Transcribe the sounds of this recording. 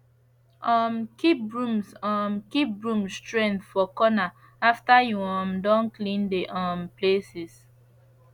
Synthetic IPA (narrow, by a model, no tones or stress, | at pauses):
ɔ̃mkip̚ɹũmsɔ̃mkip̚ɹũmstɹɛ̃nθfɔkɔna | aftajuɔ̃mdɔ̃nklĩndeʔɔ̃mplesis